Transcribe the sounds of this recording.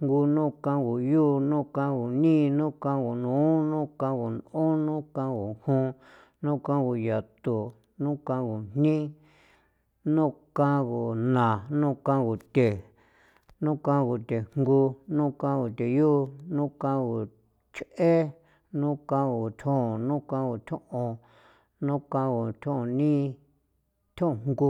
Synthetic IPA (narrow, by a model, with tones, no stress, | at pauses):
ŋŋɡu˧nũ˦kã˧ɡu˨juː˦nũ˦kã˧ɡu˨nĩ˦nũ˦kã˧ɣu˨nũː˨˦nũ˦kã˧˦ɣu˨nũ˦nũ˦kã˧ɡu˨hũ˦ | nũ˦kã˦ɣu˧ja˨t̪u˨ | nũ˦kã˧ɣu˨n̥nĩ˦ | nũ˦kã˦ɣu˨nã˨nũ˦kã˦ɣu˨t̪ʲe˨ | nũ˦kã˦˧ɣu˨t̪e˨ŋ̥ɡu˧nũ˦kã˧ɣu˨t̪e˨ju˦nũ˦kã˦˧ɣu˨ | t͡ʃʔe˦ | nũ˦kã˧ɣu˨t̪ʰõ˦˨nũ˦kã˧˦ɣu˨t̪ʲʰõ˦ʔõ˧ | nũ˦kã˧ɣu˨t̪ʰõ˦˧nĩ˦ | t̪ʰõ˦˧˨ŋŋɡu˧